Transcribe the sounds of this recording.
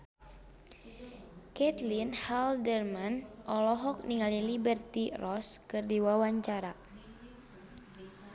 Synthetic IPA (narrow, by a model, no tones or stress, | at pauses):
kɛt̪linhaldərmanɔlɔɦɔk̚niŋalilibɛrt̪irɔskɨrdiwawaɲt͡ʃaɾa